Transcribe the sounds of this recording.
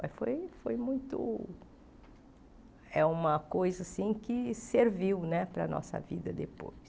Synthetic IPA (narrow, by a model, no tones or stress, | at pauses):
fojfojmũj̃t̪ʊ̰ | ɛũmɐkojzɐsĩkɪseɾviwnɛpɾɐ̰nʔɔ̰sɐ̰vḭd̪ɐd̪epo̰js